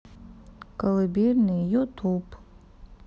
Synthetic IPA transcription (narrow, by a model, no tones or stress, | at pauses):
kɐlɨbʲirnɨjut̪ʰup